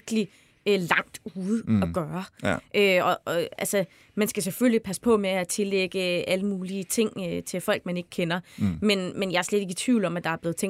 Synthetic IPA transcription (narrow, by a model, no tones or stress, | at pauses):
ɡ̥əli | lɑ̈ŋ̰d̥uːðˠɒɡ̥ɶːɐʔøɒ̽ʔɒælsə | mænsɡ̥æseføllipʰæspʰɒ̽meæt͡sʰe̝leɡ̥əʔæləmuːliət͡sʰe̝ŋ̰øt͡sʰe̝lfɒ̽l̰ɡ̥̚mæne̝ɡ̥kʰenɐmenmenjɑ̈æɐsled̥e̝ɡ̥ət͡sʰʋiʊ̰lɒ̽mæd̥ɑ̈æɐb̥leð̩ˠt͡sʰeŋ